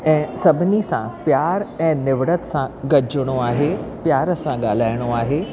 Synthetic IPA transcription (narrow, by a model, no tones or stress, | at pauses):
ɛ̃ːsɐbʱɪnisã̰pjaːɾɛ̃ːnɪʋɽət̪sãɡɐd͡ʒɽ̃oaːɦepjaːɾəsãɠaːl̤aːɪɽ̃oaːɦeː